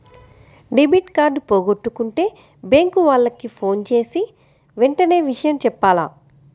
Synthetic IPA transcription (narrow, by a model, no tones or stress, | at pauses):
ɖibiːʈkaːɾɖpo̞ːɡoʈːukuɳʈe̞ː | beŋkuʋaːɭːɐkːipʰo̞ːnt͡ʃe̞ːsi | ʋeɳʈɐne̞ːʋiʂɐjɐmt͡ʃɛpːaːla̰ː